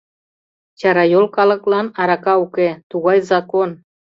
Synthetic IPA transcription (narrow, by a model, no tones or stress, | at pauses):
t͡ɕɑɾɑjolkɑlɤ̆klɑnɑɾɑkɑuket̪uɣɑjzɑkon